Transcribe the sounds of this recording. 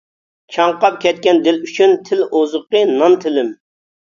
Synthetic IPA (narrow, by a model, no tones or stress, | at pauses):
t͡ʃʰɑŋqɑp̚kʲɛt̪̚kʲɛnd̪ɪlyt͡ʃʰynt̪ʰɪlozəqənɑnt̪ʰɪlɪm